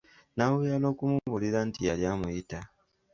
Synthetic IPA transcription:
naβujalo̞ːkumuβuliɾantijaljamujita

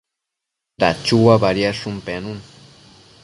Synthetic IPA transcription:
ɾa̰t͡ʃuwabaɾjaʂʊmpenun

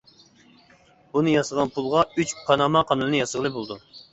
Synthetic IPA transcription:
bunɨjɑsəʁɑnpʰulˠʁɑyt͡ʃpʰɑnɑmɑqʰɑnɨlɨnɨjɑsəʁəlˠɨbolˠd̪u

